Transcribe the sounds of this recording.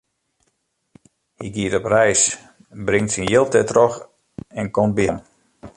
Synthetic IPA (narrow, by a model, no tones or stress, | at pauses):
hiɡiətɔprɛjs | brɪŋtsinjɪlˠtɛtrox | ɛnkomt̚biən